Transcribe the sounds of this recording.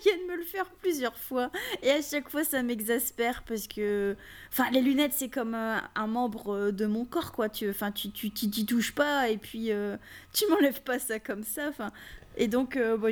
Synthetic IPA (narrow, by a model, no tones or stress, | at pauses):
vjɛ̃d̪əmələfɛʁplyzjœʁfwaeaʃakfwasamɛɡzaspɛʁpaʁsə̥kə | ɑ̃fɛ̃lelynɛt̪sɛkɔmøɛ̃mɑ̃bʁəd̪əmɔ̃kɔʁkwat̪yɑ̃fɛ̃t̪yt̪yt̪yt̪̬yt̪uʃpaepɥiøt̪ymɑ̃lɛvpasakɔmsaɑ̃fɛ̃ed̪ɔ̃købɔ